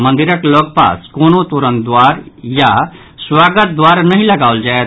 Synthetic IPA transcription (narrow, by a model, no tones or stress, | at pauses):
mə̃nd̪iɾəkloːɡ̚pa̰ːskoːnot̪uɾənd̪waːɾja | swaːɡət̪̚d̪waːɾnəɦĩləɡaːʊld͡ʒaːet̪